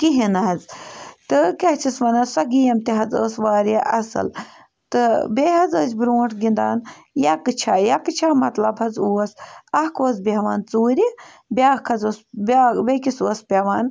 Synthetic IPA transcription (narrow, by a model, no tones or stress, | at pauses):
kiɦinɐɦɐzt̪ɨkɐht͡ʃʰisʋɐnɐsɐɡijɐmt̪eɦɐzəːsʋaːɾɐʔɐsɨ̰l | t̪ɨbeɦɐzəːsʲbɾoːʈʰɡind̪aːn | jakɨt͡ʃʰajɐkɨt͡ʃʰaːmɐt̪lɐbɦɐzuːɐsɐhkoːzbeʋaːnt͡suːɾi | bʲaːhkʰɐzoːsbbekʲisoːspʲɐʋaːn